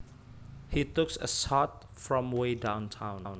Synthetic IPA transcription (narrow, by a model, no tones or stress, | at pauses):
hitʊksə̰sɔt̚ | fɹɔ̃mwedãʊ̃ntʰãʊ̃nn